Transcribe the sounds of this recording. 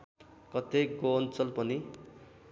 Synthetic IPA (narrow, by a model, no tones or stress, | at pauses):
kʌt̪eɡoːnt͡sʌlpʌni